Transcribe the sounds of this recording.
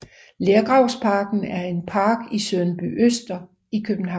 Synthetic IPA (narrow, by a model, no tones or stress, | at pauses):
leːɐɡ̥ʁɑ̈ʊ̰spʰɑ̈ɡ̥n̩æɐe̝npʰɑ̈ːɡ̥isøðˠn̩b̥y̰ʔøsd̥ɐ | ikʰøb̥n̩ɦɑ̈